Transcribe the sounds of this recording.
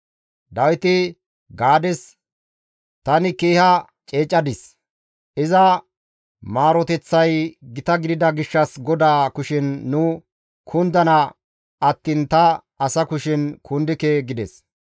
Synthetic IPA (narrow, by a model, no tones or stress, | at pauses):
d̪ɐwɪt̪ɪ | ɡaːd̪ɛs | t̪ɐnɪkeːhɐ | t͡ʃʼeːt͡ʃʼːɐd̪ɪs | ɪzɐ | maːɾɔt̪ɛt͡sːɐjɡɪt̪ɐɡɪd̪ɪd̪ɐɡɪʃːɐsɡɔd̪aːkʊʃɪnːʊ | kʰʊnd̪ɐnɐ | ɐt̪ːɪnt̪ɐ | ɐsɐkʊʃɪnkʰʊnd̪ɪkeɡɪd̪ɛs